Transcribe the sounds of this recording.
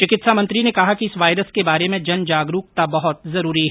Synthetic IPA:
t͡ʃɪkɪt̪samɐ̃nt̪ɾinekɐɦakiɪsʋaːjɾəskebaːɾemẽd͡ʒɐnd͡ʒaːɡɾuːk̚t̪abɐɦʊt̪zɐɾuːɾiɦɛ

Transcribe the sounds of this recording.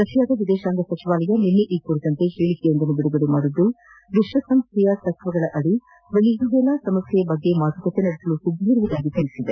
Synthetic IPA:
sɐʃijaːd̪ɐʋid̪ɛːʃaːŋɡɐsɐt͡ʃiʋaːlɐjɐninːeʔiːkuɾit̪ɐnt̪eheːɭik̪ːeɐnd̪ɐnːubiɽubiɽumaːɽud̪ːu | ʋiʂʋɐsɐmst̪ʰɛjɐt̪ɐkʋɐɡɐɭɐʔɐɽi | ʋeɭiɡuɡɛlasɐmɐsjɐjɐbɐɡːe̞maːt̪ukɐt̪ːenɐɽesɐlusuɡiːɾuʋɐd̪aːɡit̪iɭisid̪e

